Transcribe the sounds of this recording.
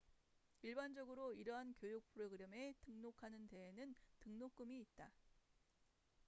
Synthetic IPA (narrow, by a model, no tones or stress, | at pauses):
iɭband͡ʑʌɡɯɾoiɾʌɦankjojuk̚pʰɯɾoɡɯɾeme̞tɯŋnokʰanɯnte̞ɦenɯntɯŋnok͈ɯmiːt̚t͈a